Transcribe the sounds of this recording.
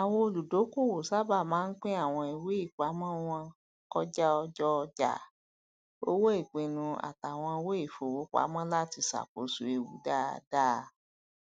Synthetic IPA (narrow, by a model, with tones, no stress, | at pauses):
a˨wo˧o˧lu˨do˨˦ku˦˨wo˨sa˦ba˦˨mãː˨˦n̩˦k͡pe˦a˦˨w̃ɔ̃˧i˨we˨˦i˦˨k͡pa˨˦mɔ̃˦w̃ɔ̃˧ | kɔ˦d͡ʒa˦ɔ˧d͡ʒɔ˦˧d͡ʒa̰˦˨ | o̰˦wo˦e˦˨k͡pẽ˨nũ˧a̰˨ta˨w̃ɔ̃˧we˦i˦˨fo˨wo˨˦k͡pa̰˨˦mɔ̃˦la˦ti˧sa̰˨k͡po˨˦sṵ˨e˧wu˨˦da˦˨da˦˧